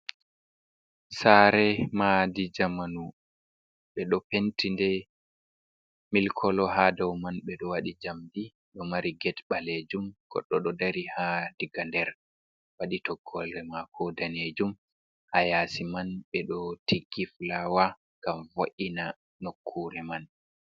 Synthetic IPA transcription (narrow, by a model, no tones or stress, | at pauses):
saɾɛmadid͡ʒamanu | ɓɛɗɔpentindɛ | milkʰɔlɔɦadawmanɓɛɗɔwaɗid͡ʒamdi | ɗɔmaɾiɡɛtɓaled͡ʒumɡ̥ɔ̰ɗːɔɗɔdaɾihad̥iɡandɛɾ | waɗitɔɡːɔlɾɛmakʰɔdaned͡ʒum | hajaːsimanɓɛɗɔtiɡiflawa | ŋɡamvoʔina | nokʰːuɾɛman